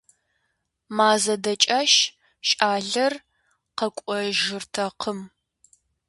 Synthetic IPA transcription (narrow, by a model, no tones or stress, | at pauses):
maːzɐdɐt͡ʃʼaʃ | ʃʼaːɮɐr | qɐkʷʼɔʒɪrtʰɐqʰəm